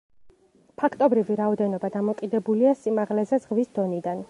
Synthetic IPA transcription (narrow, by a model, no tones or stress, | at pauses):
pʰakʰt̪ʼɔbɾiviɾaɔd̪ɛnɔbad̪amɔkʼid̪ɛbuliasimaʁlɛzɛzʁvisd̪̥ɔnid̪an